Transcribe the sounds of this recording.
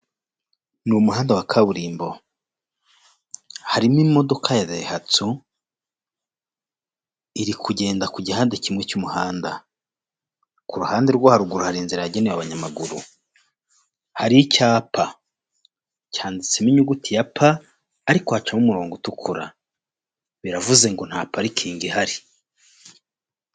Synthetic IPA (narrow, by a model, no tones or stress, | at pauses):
numuhaːndawakʰaβuɾiːmbo̞ | haɾimimo̞do̞kʰajaβehatu | iɾikʰuɟe̞ːndakuɟihaːndecimŋet͡ʃumuhaːnda | kuɾuhaːnde̞ɾɡwahaɾuɡuɾuhaɾiːnziɾaaɟeneβaβaɲamaɡuɾṵ | haɾicaːpʰa | caːndit͡semiɲuɡutijapʰaː | ɾikohat͡ʃamumuɾoːŋɡotukʰuɾa̰ | βiɾavuze̞ŋɡo̞n̥haːpaɾikʰiːŋɡihaɾi